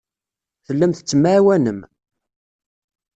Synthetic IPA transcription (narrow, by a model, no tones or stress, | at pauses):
θəlːəmθət͡sːəmːawænəm